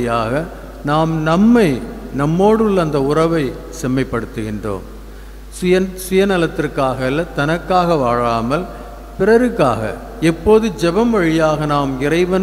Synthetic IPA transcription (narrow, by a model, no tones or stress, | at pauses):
jaːɣɐ | naːmnɐmːɐɪ | nɐmːoːɽɯɭːɐnd̪ɐʊrɐʋɐɪ | sɛmːɐɪpːɐɽɯt̪ːɯɣɪndro̰ːm | sʊjɐnɐlɐt̪ːɪrkːaːɣɐlːɐt̪ːɐnɐkːaːɣɐʋaːɻaːmɐl | pɪrɐɾɯkːaːɣɐ̰ | ɛpːoːðɯd͡ʒɛbɐmʋɐɻɪjaːɣɐnaːmɪrɐɪʋɐn